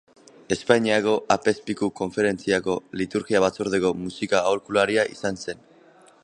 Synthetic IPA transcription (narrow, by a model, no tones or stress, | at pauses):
e̞spaɲiako̞ʔape̞spikuko̞ɱfe̞ɾe̞nt͡siako̞lit̪uɾɣiaβ̞at͡soɾðe̞ko̞musikaoɾkulaɾiaʔisanse̞n